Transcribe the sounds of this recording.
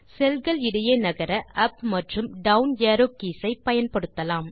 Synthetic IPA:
sɛlɣɐɭɪɽɐjeːnɐɣɐɾɐʔɐpmɐʈrɯmɖɐʊnjaːɾoːkiːsɐɪpɐjɐnpɐɽɯt̪ːɐlaːm

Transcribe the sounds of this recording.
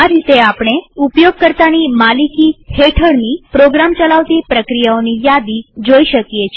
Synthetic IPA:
aɾit̪eapɽ̃eupjoɡ̚kəɾt̪animalikiheʈʰəɽnipɾoɡɾamt͡ʃəlaʋt̪ipɾəkɾijaonijad̪id͡ʒoiʃəkjet͡ʃʰ

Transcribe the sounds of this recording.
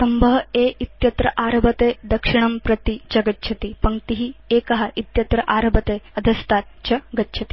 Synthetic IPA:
sɐmbəɦeʔit̪jɐt̪ɾɐʔaɾbət̪ed̪ɐkʂiɳ̃ɐmpɾɐt̪id͡ʑɐɡət̪t͡ɕʰɐt̪ipɐŋɡt̪iɦiːekɐɦaʔit̪jɐt̪ɾəʔaɾbət̪eɐd̪ʱəst̪at̪t͡ɕɐɡət̪ːɕʰɐt̪i̥

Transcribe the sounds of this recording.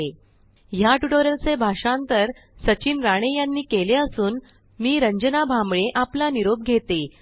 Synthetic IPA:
e | jaʈuʈoɾəlt͡sebʱaʂãnt̪əɾ | sət͡ɕiːnɾaɽ̃ejanːiːkeleəsuːn | miːɾəɲd͡ʑənabʱambɭeʔaplaniɾob̚ɡʱet̪e

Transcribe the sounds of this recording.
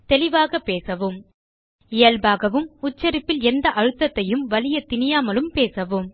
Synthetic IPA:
t̪ɛlɪʋaːɣɐpːeːsɐʋɯm | ɪjɐlbaːɣɐʋɯmʊt͡ʃːɐɾɪpːɪlɛnd̪ɐʔɐɻɯt̪ːɐt̪ːɐjɯmʋɐlɪjɐt̪ɪnɪjaːmɐlɯmpeːsɐʋɯm

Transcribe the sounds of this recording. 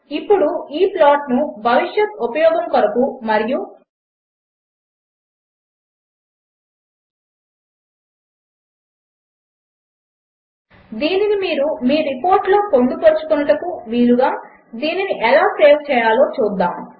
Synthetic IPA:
ipːuɽuiːplaːʈnubʱɐʋiʂjɐt̪upɐjɔːɡɐŋkɐɾɐkumɐɾiju | d̪iːninimiːɾumiːɾipo̞ːɾʈloːkoɳɖupoɾt͡ʃu̥kunːɐʈɐkuʋiːluɡaː | d̪iːniniʔɛlaːseːʋt͡ʃɛːjaːlo̞ːt͡ʃuːd̪ːaːm

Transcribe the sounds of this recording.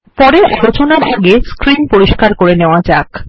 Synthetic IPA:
pɔɾeʔɔlot͡ɕonaɾʔaɡeskɾinpoɾiʃkaɾkoɾeneoad͡ʑak

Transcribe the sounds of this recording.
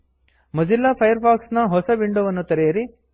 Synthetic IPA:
mɐd͡ʒilːɐːpʰɐjɐɾpʰaːksnɐɦɔsɐʋiɳɖoʋɐnːut̪ɐɾejɐɾi

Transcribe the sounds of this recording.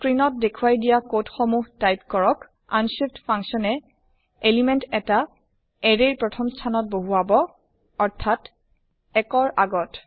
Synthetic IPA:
skɹinɔt̚dekʰuwajdijakotxomuɦtajp̚kɔɹɔk | a̰nsiptpʰaŋsɔnɛ | elimɛntɛta | ɛɹeɹpɹɔtʰɔmstʰanɔt̚boɦuabɔ | ɔɹtʰat | ɛkɔɹaɡɔt

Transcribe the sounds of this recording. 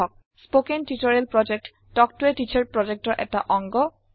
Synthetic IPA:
ɔk̚ | spokentitɔɹɛlpɹɔd͡ʒek̚t | dɔk̚tʊɛtit͡ʃʰaɹpɹɔd͡ʒek̚tɔɹʔɛ̰taʔɔŋɡɔ

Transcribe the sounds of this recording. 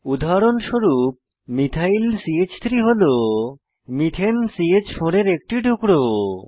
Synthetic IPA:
ud̪ʱaɾonʃoɾup̚ | mit̪ʰailsiet͡ɕt̪ʰɾiɦolo | mit̪ʰensiet͡ɕfoɾeɾek̚ʈiɖʱukɽo

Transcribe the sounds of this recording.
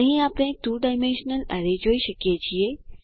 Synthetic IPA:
ɦĩaːpɽ̃ẽt̪uːɖaːɪmẽnʃənəlɐ̰ɾed͡ʑoːiʃɐkiet͡ɕie

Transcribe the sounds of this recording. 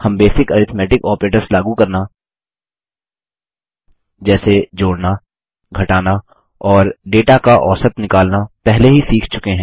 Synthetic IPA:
hɐmbeːsɪkɐɾɪt̪ʰmɛːʈɪkɔːpɾeːʈəɾslaːɡukɐɾna | d͡ʒɛːsed͡ʒoːɽna | ɡʱɐʈaːna | ɔːɾɖeːʈakaʔɔːsət̪nɪkaːlnapɛɦleɦisiːkʰt͡ʃʊkeɦɛ̃ː

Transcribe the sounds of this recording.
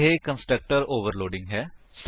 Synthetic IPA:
ɦeːkə̃nsʈɾək̚ʈəɾoːʋəɾloːɖɪ̃ŋɡɦɛːs

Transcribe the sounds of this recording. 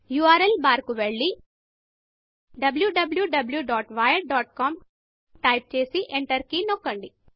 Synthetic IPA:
juːaːɾelbaːɾkuʋeɭɖi | ɖɐbljuɖɐbljuɖɐbljuɖaːʈʋaːjɐɖ̚ɖaːʈ̚kaːm | ʈɐjp̚t͡ʃeːsiʔeɳʈɐɾkinokːɐɳɖi

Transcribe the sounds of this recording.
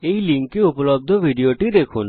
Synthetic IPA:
ejliŋkkeupolob̚d̪ʱobʱiɖioʈid̪ekʰun

